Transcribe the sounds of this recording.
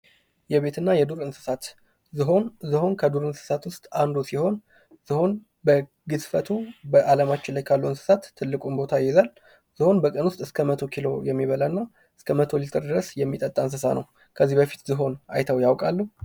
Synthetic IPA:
jɛβe̞t̪ʰɨnːajɛd̪uɾɨnsɨ̥sat̪ | zɦozɨho̞nkʰəd̪uɾɨnsɨ̥sat̪wʊst̪ʼand̪usiho̞n | z̥ɨho̞n | bə | ɡɨsfət̪ʰubəʔaləmat͡ʃːɪnlajkʰalːuɨnsɨ̥sat̪ːɨlːɨkʼumbo̞t̪ʰajːɛzal | z̥ɨho̞nbəkʼənwʊst̪ʼɨskʰəmət̪ʰo̞kʰilo̞jɛmːiβəlanːa | ɨskʰəmət̪ʰo̞lit̪ʼɨɾd̪ɨɾəsjɛmːit̪ʼət̪ʼːaɨns̬ɨsanʔə̰w | kʰəzːibəfi̥t̪zɨɦo̞na̰jt̪ʰəwjawkʼalːuh

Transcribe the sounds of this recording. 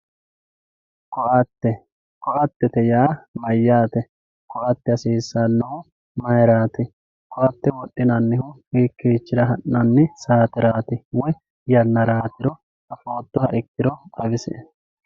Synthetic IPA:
kɔʔɐt̪ːɛ | kɔʔɐt̪ːɛt̪ɛjaːmɐjːaːt̪ɛ | kɔʔɐt̪ːɛɐsiːsːanːɐhʊ | mɐjɾaːt̪ɪ | kɔʔɐt̪ːɛwɔɗːɪnɐnːɪhʊhiːkːiːt͡ʃːɪɾɐɦɐnːɐnːɪsaːt̪ɪɾaːt̪ɪwɔj | jɐnːɐɾaːt̪ɪɾɔ | ɐfoːt̪ːɔhɐʔɪkːɪɾɔʔʼɐbɪsɛ̰

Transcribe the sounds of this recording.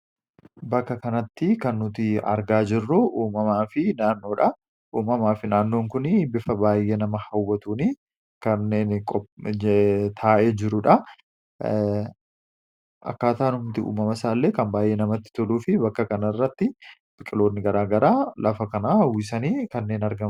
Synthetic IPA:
bɐkːɐkɐnɐt̪ːɪkɐnːʊt̪ɪɐ̰ɾɡaːd͡ʒɪrːʊʔuːmɐmaːfɪnaːnːo̞ːᶑɐ | ʔuːmɐmaːfɪnaːnːoːŋkʊnɪbɪfɐbaːjːeːnɐmɐhɐwːɐt̪uːni | kɐnːeːnkʼɔ | t̪ʰaːʔeːd͡ʒɪɾʊᶑɐ | ʔɐ̰kːaːt̪aːnʊmt̪ɪṵːmɐmɐsaːlːeːkɐnbaːjʔeːnɐmɐt̪ːɪ̥t̪ʊluːfɪbɐkːɐkɐnɐrːɐt̪ːɪ | bʼɪkʼɪlo̞ːnːɪɡɐɾaːɡɐɾaːlɐfɐkɐnawɪs̬ɐniːkɐnːe̞ːnɐɾɡɐ

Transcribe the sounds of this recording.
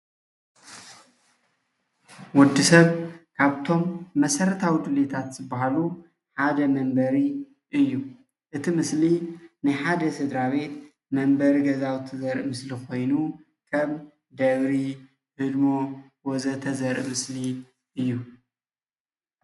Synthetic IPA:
wʊd̪ːisɐβkʰaβt̪ʰo̞mːɐsɐɾɐt̪ʰawid̪ɨlet̪ʰat̪z̥ɨbːahalu | ħad̪ɐmɐmbɐɾi | ʔɨjːu | ʔɨt̪ʰimɨslinɨħad̪ɐsɨd̪ɾaβe̞t̪ | mɐmbɐɾiɡɐzawt̪ʰɐzɐɾʔmɨslikʰo̞jnu | kʰɐm | d̪ɐβɾi | hɨd̪mo | wozɐt̪ʰɐzɐɾʔmɨsli | ʔɨjːu

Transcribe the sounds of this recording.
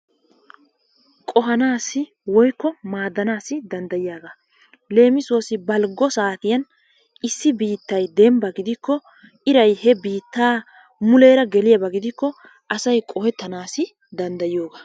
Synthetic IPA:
kʼɔɦɐnaːsɪ | wɔjkːɔmaːd̪ːɐnaːsɪd̪ɐnd̪ɐjɪjaːɡa | le̞ːmɪsoːsɪbɐlɡɔsaːt̪ɪjɐn | ɪsːɪbiːt̪ːɐjd̪ɛmbɐɡɪd̪ɪkːɔ | ʔɪɾɐjhɛbiːt̪ːaː | mʊleːɾɐɡɛlɪjɐbɐɡɪd̪ɪkːɔ | ʔɐsɐjkʼɔhɛt̪ːɐnaːsɪ | d̪ɐnd̪ɐjɪjoːɡa

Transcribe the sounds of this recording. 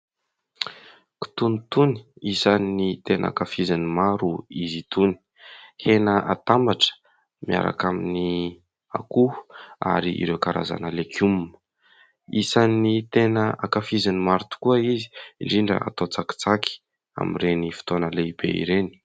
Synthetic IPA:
ki̥t̪unit̪uni̥isanːit̪enʔa̰kafizanimaɾuizit̪uni̥ | henəʔat̪ambaʈ͡ʂə̥ | mia̰ɾa̰kamini | a̰kua̰ɾiʔḭɾewkaɾa̰za̰nəlekʰumnə̥ | isanit̪enəʔakafizanimaɾut̪u̥kuəizi̥iɖ͡ʐiɳɖ͡ʐə̰ʔa̰t̪ot͡saki̥t͡saki̥ | a̰mḭrenifi̥t̪onəleibḛḭɾeni̥

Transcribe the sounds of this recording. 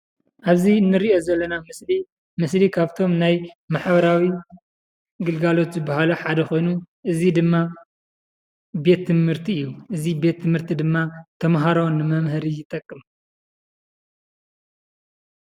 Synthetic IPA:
ʔaβziɨnːɨɾiʔo̞zɐlːɐnamɨsli | mɨslikʰaβt̪ʰo̞mnajmaħbɐɾawi | ɡɨlɡalo̞t̪zɨbːaɦaluħad̪ɐxo̞jnuʔɨzid̪ɨmːa | be̞t̪ʰːɨmhɨɾt̪ʰiɨjːuʔɨzibe̞t̪ʰːɨmhɨɾt̪ʰid̪ɨmːat̪ʰɐmɦaɾonːɨmɐmɦɨɾijɪt̪ʼɐkʼːɨm

